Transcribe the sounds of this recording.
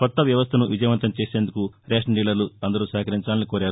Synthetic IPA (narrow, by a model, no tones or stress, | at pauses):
kɔt̪ːɐʋjɐʋɐst̪ʰɐnuʋid͡ʒɐjɐʋɐnt̪ɐmt͡ʃe̞ːse̞ːnd̪ukuɾeːʂɖiːlɐɾluɐnd̪ɐɾusaːkɐɾiɲt͡ʃaːlnikoːɾaːɾu